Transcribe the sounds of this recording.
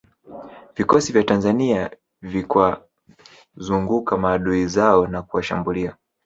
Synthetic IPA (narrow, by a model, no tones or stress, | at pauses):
vikɔsivjatanzania | vikwa | zuŋɡukamaːɗuizaɔnakuwaʃambulia